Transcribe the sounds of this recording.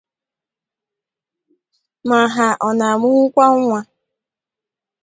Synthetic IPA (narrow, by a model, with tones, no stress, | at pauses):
ma˨ɦa˨ʔɔ˨na˨mʊ˦ŋ̩˦kʷa˦ŋ̩˦ŋʷa˨